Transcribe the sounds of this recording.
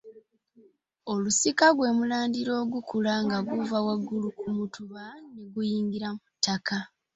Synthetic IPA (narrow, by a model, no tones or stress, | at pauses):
o̞lusikaɡwe̞ːmulaːndiɾo̞ːɡukulaŋɡaɡuvawaɡːulukumutʰuβaneɡujiːŋɡiɾamutːaka